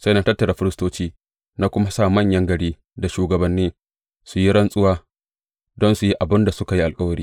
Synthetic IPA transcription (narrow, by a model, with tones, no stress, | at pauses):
sa˦jnaː˦tɐ˦tːɐ˨ɽaː˨ɸɪ˦ɾɪ˦stoː˦t͡ʃiː˦ | na˦kʷʊ˦ma˦saː˦mɐ˦˨ɲjɐ˦ŋɡɐ˨ɽiː˦ | da˨ʃuː˨ɡɐ˨bɐ˨nːiː˦ | su˨ji˦ɽɐ˦nsʼʊ˦waː˦ | dɔ˦nsu˨ji˦ʔa˨bɪ˦nda˨sʊ˦ka˨ji˦ʔa˨lkʼɐ˦wɐ˨ɾiː˦